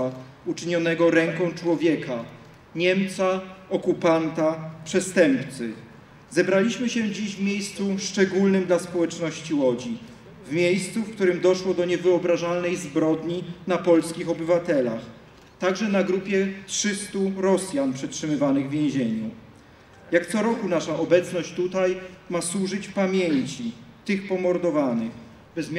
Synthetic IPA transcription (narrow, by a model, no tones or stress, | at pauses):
a | ut͡ʂɘɲɔnɛɡɔɾɛŋkɔ̃w̃t͡ʂwɔvʲjɛkʰa | ɲɛmt̪saɔkupant̪apʂɛst̪ɛmpt̪sɘ | zɛbɾalʲiɕmɘɕɛd͡ʑiʑvmʲjejst̪suʂt͡ʂɛɡulnɘmd̪laspɔwɛt͡ʂnɔɕt͡ɕiwɔd͡ʑi | vmʲjejst̪sufkt̪uɾɘmd̪ɔʂwɔd̪ɔɲɛvɘɔbɾaʐalnɛjzbɾɔd̪ɲinapɔlskʲixɔbɘvat̪ɛlax | t̪aɡʐɛnaɡɾupʲjɛtʂɘst̪uɾɔsʲjanpʂɛtʂɘmɘvanɘɣvʲjẽʑeɲu | jakt̪sɔɾɔkunaʂaʔɔbɛt̪snɔɕt͡ɕt̪ut̪ajmaswuʐɘt͡ɕpamʲjeɲt͡ɕit̪ɘxpɔmɔɾd̪ɔvanɘx | bɛzmʲ